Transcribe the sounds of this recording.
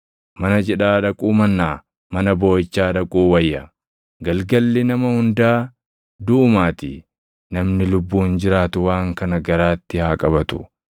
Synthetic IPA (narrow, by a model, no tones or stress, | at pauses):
mɐnɐd͡ʒɛᶑaːᶑɐkʼuːmɐnːaː | mɐnɐbo̞ːjɪt͡ʃːaːᶑɐkʼuːwɐjːɐ | ɡɐlɡɐlːɪnɐmɐhʊnd̪aː | d̪ʊʊmaːt̪ɪ̰ | nɐmnɪlʊbːuːnd͡ʒɪɾaːt̪ʊwaːŋkɐnɐɡɐɾaːt̪ːɪhaːkʼɐbɐt̪ʊ̰